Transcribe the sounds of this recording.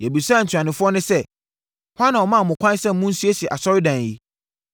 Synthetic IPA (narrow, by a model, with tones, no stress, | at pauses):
jɛ˨bi˨sa˦˨n̩˨tʰᶣã˨nɪ̃˨fʊ˦ɔ˦nʊ̃˦sɛ˦ | hwa˦nːã˨ɔ˨mã˦˨mʊ̃˨kʷʰã˦n˦sɛ̃˦m̩˦mũ˦n̩˦si˦e˦sɛ˨ʔa˨sɔ˦ɾɪ˦dã˨n˨i˦